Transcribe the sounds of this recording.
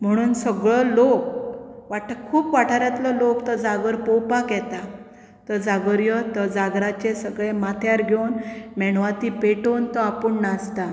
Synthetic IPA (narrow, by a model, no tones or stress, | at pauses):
m̤əɽ̃uːnsəɡɭɔlokʋaʈʰkʰuːpʋaʈʰaɾjat̪lɔlokt̪ɔd͡zaɡəɾpɔwpakjɛt̪a | t̪əd͡zaɡəɾjɔt̪əd͡zaɡɾat͡ɕesəɡɭemat̪ʰjaɾɡʱjownmɛɳʋat̪ipeʈont̪ɔapuɳnast̪a